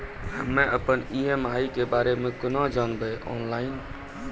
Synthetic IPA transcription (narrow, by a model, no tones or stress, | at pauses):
hə̰mːẽʔəpəniemaikebaːɾemẽkənɔ̃d͡ʒanbɛʔɔ̰ːnlaːɪn